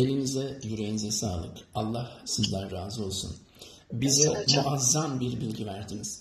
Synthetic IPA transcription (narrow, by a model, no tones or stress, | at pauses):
e̞lʲinizɛjyɾeinizɛsaːlˠɯ̰kalˠːahsizlʲæɾːaːzɯo̞lˠsṵn | bizɛmuʔazːambiɾbilʲɟivæɾd̪iniz̥